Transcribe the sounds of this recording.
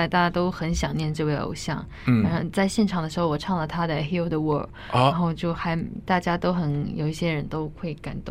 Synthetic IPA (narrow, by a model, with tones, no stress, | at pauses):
a˧ɪt̪a˥˩t͡ɕa˥t̪o˥ʊxə˧˥nɕjɑ˨˩ŋnjɛ˥˧nʈ͡ʂɤ˥˧we˥˩ɪo̰˨˩ʊɕjɑ̰˥˩ŋ | a˨˧˥ʂɑ˥˧t͡sa˥˧ɪɕjɛ˥˩nʈ͡ʂʰɑ˨˩ŋd̪ə˦ʂɻ̩˧˥xo˥˧wɔ˨˩ʈ͡ʂʰɑ˥˩ŋlə˨˩t̪ʰa˥d̪ə˨xi˥ʊd̪ə˧wɔ˥˩˥ | ɻa˧˥xo˥˧ʊt͡ɕjo˥˩ʊxa˧˥ɪt̪a˥˩t͡ɕja˥t̪o˥ʊxə˧˥njo˨˩ʊi˥˩ɕjɛ˥ɻə˧˥nt̪o˥ʊxʰwe˥˩ɪka̰˨˩nt̪ʊ̰˥˩ŋ